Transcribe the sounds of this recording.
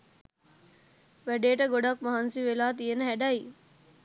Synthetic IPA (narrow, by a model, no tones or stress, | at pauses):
ʋæɖeːʈəɡoɖɐkmɐɦansiʋelaːt̪ijenəɦɛɖai